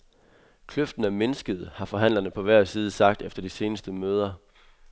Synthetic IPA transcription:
kʰløfd̥n̩æme̝nəsɡ̥əð̞̩ˠhɑ̈fɒ̽ɦæn̰lɐnəpʰɒ̽ʋæɐ̰siːð̞ˠəsɑ̈ɡ̥̚d̥efd̥ɐd̥ise̝ːnəsd̥əmøːð̞ˠɐ

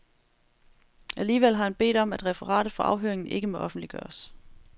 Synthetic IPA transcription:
ʔæliːʋel̰ɦɑ̈hænb̥e̝̰ːd̥ɒ̽m̰æd̥ʁɛfəʁɑ̰̈ːɾ̥ð̩ˠfɒ̽ʔɑ̈ʊɦøɐ̰eŋn̩ʔe̝ɡ̥əmo̽ʔɒ̽fn̩d̥liɡ̥ɶ̰ːɐs

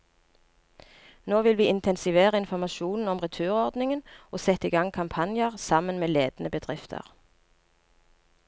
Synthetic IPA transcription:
noːʋɪlʋiːɪnt̪ʰɛnsɪʋeːʁəɪnfɔʁmɑʃuːnn̩ɔmʁɛt̪ʰʉːʁɔʁd̪nɪŋənʔoːsɛt̪ːiːɡɑŋkʰɑmpʰɑnjəʁsɑmənmeːleːd̪̥n̩əbəd̪ʁɪft̪ʰə̰ʁ

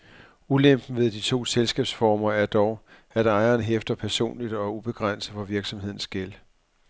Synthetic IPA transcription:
ulem̰b̥n̩ʋe̝ð̞ˠd̥it͡sʰo̝̰ːselsɡ̥ɛ̰ːb̥sfɒːmɐæɐd̥ɒʊ | æɾ̥ɑ̈ɪɐːnɦefd̥ɐpʰæɐso̝̰ːnlid̥ɒ̽æub̥e̝ɡ̥ʁan̰sð̩ˠfɒ̽ʋiɐɡ̥sɒ̽mhe̝ð̰ˠn̩sɡ̥el

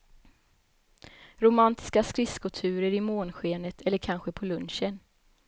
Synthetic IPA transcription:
ɾʊmant̪ʰɪ̥skaskɾɪskɵlt̪ʰʉ̟ːɾəɾɪmoːnɧeːnət̪ʰɛlːəɾkʰanɧəpʰɔlɵnɕən

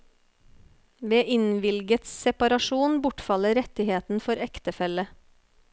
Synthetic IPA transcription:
ʋeːʔɪnʋɪlɡət̪ssɛpɑɾɑʃuːnbʊʈfɑləɾɛt̪ɪheːt̪n̩fɔɾɛkt̪əfɛlə

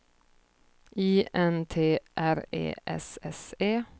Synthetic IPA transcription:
iːʔɛnt̪ʰeːʔæɾḛːʔɛ̰sɛseː

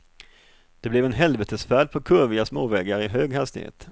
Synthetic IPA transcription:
d̪̥ɛblɛvɛnɦɛlvɛt̪ʰəsfæːɖpʰɔkʰɵɾvɪɡasmoːvɛːɡaɾɪɦøːɡɦast̪ɪ̰hḛːt̪

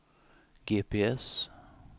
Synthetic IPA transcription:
ɡeːpʰeːɛs

